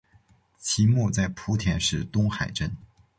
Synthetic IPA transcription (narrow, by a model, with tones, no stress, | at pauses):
t͡ɕʰi˧˥mu˥˧t͡sa˥˩ɪpʰu˧˥t̪ʰjɛ˧˥nʂɻ̩˥˩t̪ʊ˥ŋxa˨˩ɪʈ͡ʂə˥n